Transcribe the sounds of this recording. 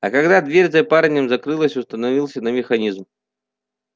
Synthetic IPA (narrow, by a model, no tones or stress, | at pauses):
ɐkɐɡd̪ad̪vʲeɾʲzɐpaɾnʲəmzɐkɾɨlˠəsʲʊst̪ənɐvʲilˠsʲənɐmʲɪxɐnʲizm